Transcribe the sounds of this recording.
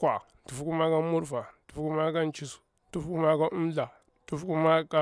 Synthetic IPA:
kʷa˨n˨tu˨fku˦ma˦ɡa˦mu˦ɾfa˨n˦tu̥˨fku˦ma˦ɡa˦nt͡ʃi˦su̥˨˦tu˦fku˦ma˦ɡa˦ʔu˦m˦ɮa˨˦ | tu˦fku˦ma˦ka˦

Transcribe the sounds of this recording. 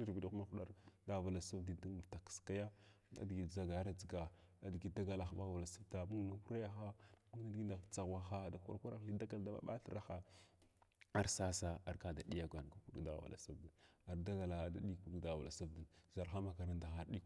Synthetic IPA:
i˦ɾbi˨da˦ma˦xu˨˦ɗa̰˦ɾda˦ɣva˨la˨sa˦vdi˨du˦mu˨vta˨kə̥˨ska˦ja˦ | a̰˦dɡi˨za˦ɡa˨˦ɾa˨d͡zi˨ɡa˨a˦dɡi˨da˦ɡa˨la˨xɓa˦ɣva˨la˨sa˦vda˨mu˦ŋ˨na˨ku˦ɾa˦ja˦xa˦mu˦ŋ˦na˦dɡi˦nda˨t͡sa˨ɣwa˨xa˦˨da˨kʷa̰˦ɾkʷa˦ɾa˦xli˦da˦ɡa˦lda˦˨ɓa̰˦ɓa̰˦ɬə˦ɾa˦xa˦ | a˨ɾsa˦sa˦a˨ɾka˦da˨ɗi˦ja˦˨ɡʷa˨n˨ka˦ku˦ɗda̰˦ɣ̰va̰˨la̰˨sa˦vda˨a˨ɾda˦ɡa˨la˨˦da̰˦ɗi˦ku˦dda˨ɣva̰˨la̰˨sa˦vdi˨nza˨ɾxa˦ma˦˨ka˨ɾa˦nda˨xa˦ɾɗi˦

